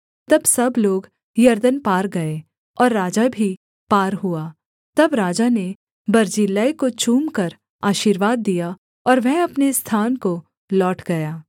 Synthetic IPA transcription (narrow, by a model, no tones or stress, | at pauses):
t̪ɐbsɐbloːɡ | jɐɾd̪ənpaːɾɡɐe | ɔːɾːaːd͡ʒabʱi | paːɾɦuaː | t̪ɐbɾaːd͡ʒane | bɐɾd͡ʒiːlaːekot͡ʃuːmkɐɾ | aːʃiːɾʋaːd̪ːija | ɔːɾʋɛɦɐpnest̪ʰaːnko | lɔːʈɡɐjaː